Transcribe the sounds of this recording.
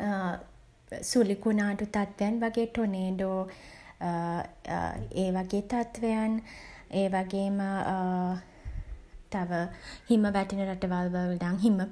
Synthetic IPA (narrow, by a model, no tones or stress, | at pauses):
sulikunaːʈut̪at̪ʋejanʋaɡeːʈoneːɖoː | eːʋaɡeːt̪at̪ʋejan | eːʋaɡeːmə | t̪aʋəhiməʋæʈinəɾaʈəʋalʋəld̪aŋɦimə